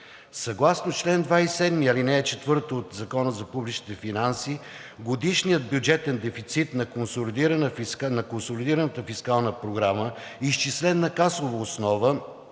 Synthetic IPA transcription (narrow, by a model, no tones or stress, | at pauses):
sɐɡlˠasnot͡ʃlɛnd̪vaisɛd̪miɐlinɛːt͡ʃɛt̪vɤɾt̪oːt̪zɐkɔnəzɐpublit͡ʃnit̪ɛfinansi | ɡod̪iʃnijəd̪̚bjud͡ʒɛt̪ɛnd̪ɛfit̪sit̪nɐkonsolid̪iɾənnɐkonsolid̪iɾənət̪əfiskalˠnəpɾoɡɾamə | iʃt͡ʃislɛnnɐkasˠovɐosnɔvə